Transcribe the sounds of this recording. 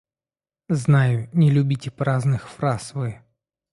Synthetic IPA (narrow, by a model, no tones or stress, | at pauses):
znajʊnʲɪlʲʉbʲitʲɪpɾaznɨxfɾasvɨ